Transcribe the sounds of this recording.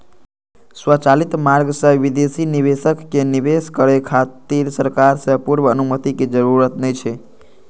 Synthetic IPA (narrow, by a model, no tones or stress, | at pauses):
swət͡ʃalit̪maɾɡsəɦʋid̪esiniʋesəkːeniʋeskəɾekʰat̪iɾsəɾkaɾsəpuɾʋəːnumət̪ikid͡ʒəɾuɾət̪nəit͡ʃʰe